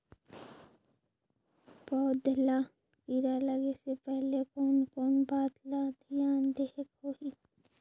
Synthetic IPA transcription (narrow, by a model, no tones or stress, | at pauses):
bɔːʊt̪̚d̪ʱɪla | iɾaləɡesepɛɦlekɔːnkɔːnbaːt̪lad̪ʱijaːnd̪eɦekhoːi